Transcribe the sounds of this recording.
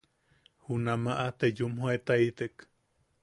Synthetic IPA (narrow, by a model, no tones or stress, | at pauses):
hunamaʔat̪ejumhoet̪ait̪ek